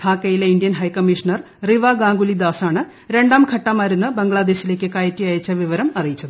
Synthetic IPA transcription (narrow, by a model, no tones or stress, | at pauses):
t̪ʰaːkːɐjileindijɐnɦɐjkɐmːiʂɐnɐr | riʋaɡaːŋɡulid̪aːsaːɳɨ | ɾe̞ɳɖaːmkʰɐʈːɐmaːjɾunːɐbɐŋɡɭaːd̪e̞ːɕile̞ːk̬ʲːɨkaːjɐtːijaːjɐt͡ɕːɐʋiʋɐɾɐmɐrijit͡ɕːɐðɨɨ